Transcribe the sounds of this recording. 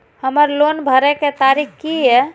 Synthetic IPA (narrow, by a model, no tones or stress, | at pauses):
həməɾlonbʱəɾɛket̪aɾikkijɛ